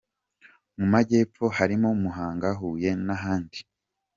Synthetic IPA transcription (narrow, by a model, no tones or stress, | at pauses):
mumaɟe̞ːp͡fo̞haɾimomuɦaːŋɡaɦuːje̞naɦaːndi̥